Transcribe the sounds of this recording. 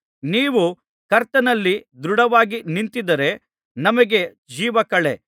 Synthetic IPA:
niːʋu | kɐɾt̪ɐnɐlːid̪ɾuɽɐʋaːɡinint̪id̪ɐɾe̞ | nɐmɐɡe̞ | d͡ʒiːʋɐkɐɭḛ

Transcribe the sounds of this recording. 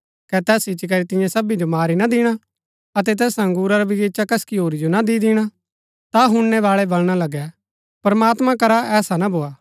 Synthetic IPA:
kɛt̪ɛːsɪt͡ʃːik̬ɐɾit̪ɪ̃jãsɐbid͡ʒomaːɾinad̪ɪɽ̃a | ɐt̪̬ɛt̪ɛːsɐ̃ŋɡuːɾaɾabɪeːt͡ʃakɐskiɦoːɾid͡ʒonad̪id̪ɪɽ̃a | t̪aɦʊ̃ɳnɛʋaːɭɛbɐlɽ̃alɐɡɛ | pɾəmaːt̪mãkɐɾaʔɛːsanabʱoːaː

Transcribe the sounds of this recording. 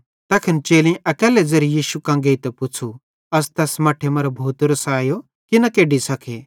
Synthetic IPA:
t̪ɐkʰɪnt͡ʃeːlĩʔɐkɛːlɛd͡zeɾijiːʃukãːŋɡeit̪ɛpʊt͡sʰu | ɐst̪ɛːsmɐːʈʰemɐɾobʱuːt̪ɾəsaːjo | kinɐkeːɖisɐkʰe

